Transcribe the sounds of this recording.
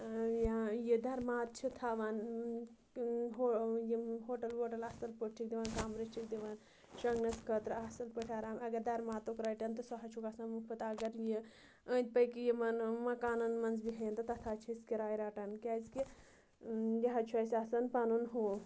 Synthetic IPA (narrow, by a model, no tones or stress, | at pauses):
jjid̪ɐɾmaːt̪̚t͡ʃʰit̪ʰaːʋan | ɦojiɦoːʈɐlɦoːʈɐlɐsɐlpəʈt͡ʃʰik̚d̪iʋankaːmɾit͡ʃʰik̚d̪iʋaːn | ʃɐŋɡnɐskʰɐt̪ɾɐsɐlpəʈʰaːɾaːmɐɡɐɾd̪ɐɾmaːt̪okɾajʈɐnt̪ɨsɐɦɐt͡ʃʰukaːsaːnmupʰɐt̪aːɡɐɾji | ə̃ːnd̪̚ʲpɐjkijimɐnmɐkaːnunmɐnzbiɦɐjɐnt̪ɐt̪ɐt̪ʰaːt͡ʃʰiskiɾaːjɾaːʈɐnkʲɛːzki | jɐɦɐt͡ʃʰuɐːsʲaːsɐnpaːnunɦuː